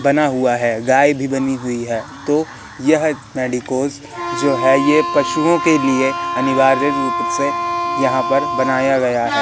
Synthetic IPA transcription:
bɐnaɦʊaɦɛːɡaːibʱibɐniɦʊiɦɛːt̪o | jɐɦ | meːɖikoːz | d͡ʒoːɦɛjepɐʃuõkelieɐnɪʋaːɾəɾupt̪sejɐɦãpɐɾbɐnaːjaɡɐjaɦɛː

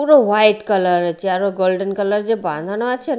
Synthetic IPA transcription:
uɾoʋajʈkələɾt͡ʃiaɾoɡolɖənkələɾd͡ʒebã̰nd̪ʱanoat͡ʃʰen

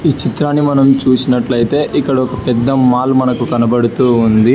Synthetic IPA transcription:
iːt͡ʃit̪ɾaːnːimɐnɐmt͡ʃuːsinɐʈlɐjit̪e̞ːʔikːɐɽɐɔkɐpɛd̪ːɐmaːlmɐnɐkukɐnɐbɐɽut̪uːund̪i

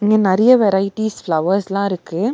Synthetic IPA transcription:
ɪŋɡeːnɛɾɐjɐʋɛɾɐɪʈːisflɐʋɐɾslãːɪɾɯkːɯ

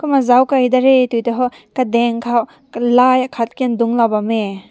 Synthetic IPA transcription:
kumazawkajdaɾetujtɔɦɔ | kadeŋkʰaw | lajakʰat̚kenduŋlawbame

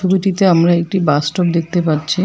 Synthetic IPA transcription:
ubiʈit̪eamɾaek̚ʈibasʈop̚d̪ek̚ʰt̪epaɾt͡ɕʰi

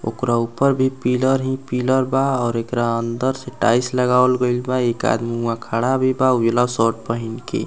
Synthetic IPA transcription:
o̰kɾaupəɾbʱipiləɾɦĩpiləɾbaɔːɾekɾaənd̪əɾseʈaisləɡawlɡəɪlbaeka̰d̪miwakʰaɽabʱibauelasɔʈ̚pəɦinkḛ

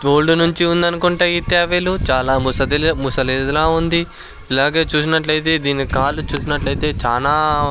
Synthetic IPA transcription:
oːɭɖunuɲt͡ʃiund̪ɐnukuɳʈaːjit̪jaːʋeːlut͡ʃaːlaːmusɐd̪imusɐled̪ɐlaːund̪i | ɛlaːɡe̞ːt͡ʃuːs̬inɐʈlɐjt̪̬e̞ːd̪iːnikaːlut͡ʃuːsinɐʈlɐjit̪e̞ːt͡ʃaːlaː

